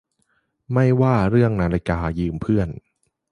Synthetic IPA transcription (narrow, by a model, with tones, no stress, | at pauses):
ma˥˩jwaː˥˩ɾɯ˥˩əŋna˧˥la˧˩kaː˧jɯː˧mpʰɯ˥˩ən